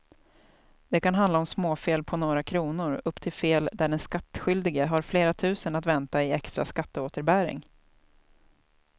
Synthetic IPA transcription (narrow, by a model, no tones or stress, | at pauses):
d̪̥ɛkan̪ɦand̪aɔmsmoːfeːlpʰɔnoːɾakʰɾuːnʊɾɵpːt̪ʰɪlfeːld̪æɖɛnskat̪ːɧʏld̪ɪɡəɦaɾfleːɾat̪ʰʉ̟ːsənat̪vɛnt̪aɪɛkst̪ɾa̰skat̪ːəoːt̪əɾbæːɾɪ̰ŋ